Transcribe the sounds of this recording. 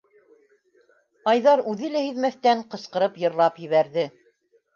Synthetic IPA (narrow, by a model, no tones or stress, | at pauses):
ɑjðɑɾʉðɘlæhiðmæθt̪æɴqɤ̆sqɤ̆ɾɤpjɤ̆ɾlˠɑpjɘ̆βæɾðɘ